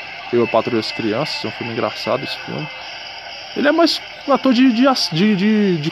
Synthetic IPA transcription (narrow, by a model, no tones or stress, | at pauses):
ewɛpat̪ɾojɐskɾiɐ̃sɐ̥z̥ɛũfulmɪ̃ĩɡɾa̰sa̰d̪ʊesɪ̥fḭwmɪ | elɪɛmajs | at̪oɾd͡ʒɪd͡ʒɪasd͡ʒɪd͡ʒɪd͡ʒɪ